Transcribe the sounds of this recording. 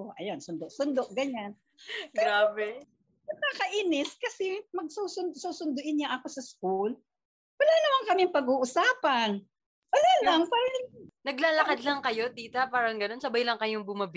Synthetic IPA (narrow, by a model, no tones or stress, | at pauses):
ʔoʔɐ̰jonsʊnd̪oʔsʊnd̪oʔɡɐɲan | ɡɾaːbɛ | nɐɡ̚kaːkɐʔinɪskɐsɛmɐɡ̚suːsʊnd̪suːsʊnd̪ʊʔɪnɲaʔɐko̞sɐskul | wɐlaːnɐmaŋkɐmɪŋpɐɡuːʔʊsaːpɐn | wɐlaːlɐŋpaːɾɐŋnɐɡlaːlɐkad̪lɐŋkɐjo̞t̪iːt̪ɐpaːɾɐŋɡɐno̞nsɐbajlɐŋkɐjoŋbʊmɐb